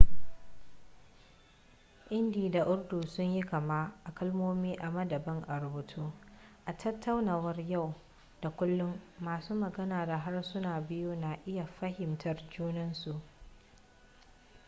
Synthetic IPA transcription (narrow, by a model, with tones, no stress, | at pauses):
ʔɪ˦ndiː˨da˨ʔʊ˦rduː˨sʊ˦ɲji˦kɐ˨ma˦ʔa˨kɐ˦lmoː˦miː˦ʔa˨mɐ˦dɐ˨bɐ˦ŋʔa˨ɾʊ˨bʊ˨tʰuː˦ʔa˨tʰɐ˦tʰːa˦wnaː˨wɐ˦rja˦˨w | da˨kʷʊ˦lːʊ˦mːaː˨suː˦mɐ˨ɡɐ˦naː˨da˨ɦa˦rsʊ˦naː˨bɪ˦ju˦na˨ʔɪ˦ja˨ɸɐ˦hɪ˨mtʰɐ˨rd͡ʒuː˦nɐ˦nsu˨ʔ